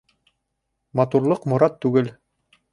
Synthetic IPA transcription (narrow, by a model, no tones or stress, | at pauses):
mɑt̪uɾlˠɤqmŏɾɑt̪ːʉɡɘl